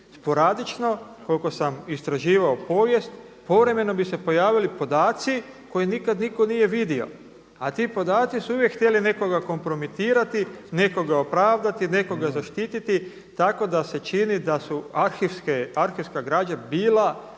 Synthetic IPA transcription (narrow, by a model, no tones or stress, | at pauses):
spo̞ɾad̪it͡ʃno̞ko̞lko̞samist̪ɾaʒiːʋaopo̞ːʋje̞st̪ | po̞ʋɾe̞me̞no̞bise̞po̞jaːʋilipo̞d̪aːt̪si | ko̞jinikad̪niko̞nije̞ʋid̪io̞̰ | at̪iːpo̞d̪aːt̪sisuuʋjekxt̪jeline̞ko̞ɡako̞mpɾo̞mit̪iːɾat̪ine̞ko̞ɡao̞pɾaːʋd̪at̪ine̞ko̞ɡazaʃt̪iːt̪it̪i | t̪ako̞d̪ase̞t͡ʃinid̪asuaɾxiskeaɾxiʋskaɡɾaːd͡ʒabiːla